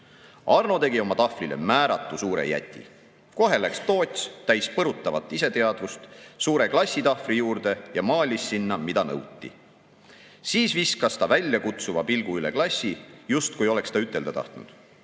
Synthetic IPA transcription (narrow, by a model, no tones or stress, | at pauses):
ɑrno̞t̪e̞ɡio̞mɑt̪ɑfrile̞̰mæːɾɑt̪ːˑusuːɾe̞̰jæ̰t̪ʲːˑḭ | ko̞ɦe̞lækst̪o̞ːt̪ʲst̪æjspɤɾut̪ˑːɑvɑ̰t̪ːˑise̞t̪e̞ɑd̪vust̪suːɾe̞klɑsʲːit̪ɑfrijuːɾd̪̥e̞jɑmɑːlʲisːinːɑmid̪ɑnɤ̰wt̪ʲːḭ | siːsviskɑst̪ɑvælʲjɑkut̪suvɑpilɡ̥uylḛklɑsʲːijust̪̚kujo̞le̞kst̪ɑyt̪ːˑe̞ld̪ɑt̪ɑ̰ht̪nṵd̪̥